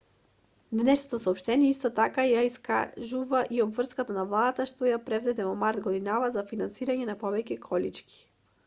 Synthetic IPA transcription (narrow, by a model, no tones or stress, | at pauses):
d̪nɛʃnot̪osɔːpʃt̪ɛniɛist̪ɔt̪akajaiska̰ʒuvaʔiɔbvr̩skat̪anavlˠad̪at̪aʃt̪ɔjapɾɛvzɛd̪ɛvɔmaɾt̪ɡɔd̪inavazafinansiɾaɲɛnapɔvɛcɛkʰɔlit͡ʃki̥